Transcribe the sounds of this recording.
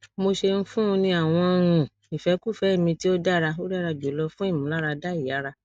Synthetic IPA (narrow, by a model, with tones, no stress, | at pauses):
mo˧ʃe˧n̩˦fũ˦˧nĩ˧a˨w̃ɔ̃˧ɾ̃ũ˧ | i˨fɛ˨˦ku˦˨fɛ˨˦˨mĩ˧ti˦o˦da˦ɾa˧o˦da˦ɾa˧d͡ʒo˨˦lɔ˧fũ˦i˦˨mũ˨˦la˦ɾa˧da˦i˨a˨˦ɾa˧